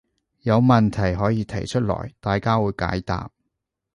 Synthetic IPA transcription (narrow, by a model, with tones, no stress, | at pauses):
jɐ˨˧wmɐ˨nt̪ʰɐ˨˩jɦɔː˨˥jiː˧t̪ʰɐ˨˩jt͡ʃʰɵ˥t̚lɔ̰ː˨˩jt̪aː˨jkaː˥wuː˨˧jka̰ː˨˥jt̪a̰ː˨p̚